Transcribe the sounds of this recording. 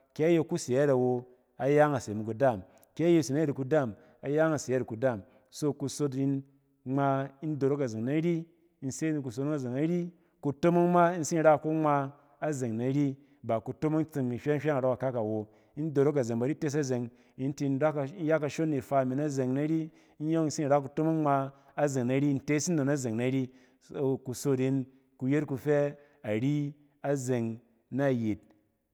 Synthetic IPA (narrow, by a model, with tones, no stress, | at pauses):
kʲe˨˦a˦je˧ku˦se˨ja˦ɾa˨wo˧ | a˨ja˦ŋa˨se˨mu˨ku˨da˦˨m | kʲe˨˦je˧˨si˨na˦e˦ɾi˨ku˧da˦˨m | a˨ja˦ŋa˨se˨ja˦ɾi˨ku˨da˦˨m | so˦ku˧so˧t̬i˧n | ŋ͡ma˧i˦n˦do˨ɾo˦ka˨ze˨ŋna˨ɾʲi˦ | i˧n̩˦se˦ni˧ku˨so˧tn˦ŋa˨ze˨ŋa˦ɾʲi˦ | ku˧to˦mo˦ŋma˦i˦n̩˦si˦n̩˦ɾa˦˨ko˦ŋ͡ma˧ | a˦ze˨ŋna˨ɾi˦ | ba˨ku˧to˦mo˦ŋt͡sɨ˧ŋmi˨hʲa˦ŋ̩˦ʃʲa˦ŋa˨ɾo˦ka˨ka˦ka˨wo˨ | i˦n˦do˨ɾo˦ka˨ze˨ŋba˨˦ɾi˦te˦s̬a˦ze˨ŋ | i˨˦n˦ti˧n̩˦ɾa˦kn̩˦ja˦ka˧ʃo˦nːi˨fa˧˨mi˨na˦ze˨ŋna˨˦ɾi˦ | n̩˦jo˦kn̩˦si˦n̩˨ɾa˦ku˧to˦mo˦ŋ˦ŋ͡ma˧ | a˦ze˨ŋna˨˦ɾi˦˧n̩˦te˦si˦n˦o˨na˦ze˨ŋna˨˦ɾi˦˨ | ku˨so˧ti˧˦n | ku˧je˦tku˧fɛ˦ | a˨ɾi˦ | a˦ze˨ŋ | na˦˨ji˨t̚